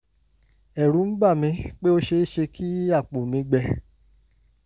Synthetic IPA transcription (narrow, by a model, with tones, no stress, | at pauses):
ɛ˨ɾũ˨˦m̩˦ɡ͡ba˦˨mĩ˧k͡pe˦o˦ʃe˧˦ʃe˧kʰi˦a˦˨k͡po˨mĩ˧˦ɡ͡bɛ˧